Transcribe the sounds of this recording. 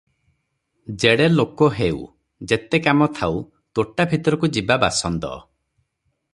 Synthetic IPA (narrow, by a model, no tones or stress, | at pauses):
d͡ʒeɽelokɔɦew̰ | d͡ʒet̪ekamɔt̪ʰaw | t̪oʈabʱit̪ɔɾɔkud͡ʒibabasɔnt̪ɔ̰